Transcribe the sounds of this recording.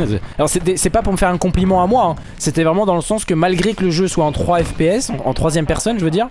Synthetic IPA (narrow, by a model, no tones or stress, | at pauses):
alɔʁsɛd̪ɛsɛpapuʁməfɛʁɛ̃kɔ̃plimɑ̃amwaɛ̃ | set̪ɛvʁɛmɑ̃d̪ɑ̃ləsɑ̃skəmalɡʁekələʒøswaɑ̃t̪χwaɛfpeɛsɑ̃ɑ̰̃t̪χwazjɛmpɛʁsɔnʒəvəd̪iːʁ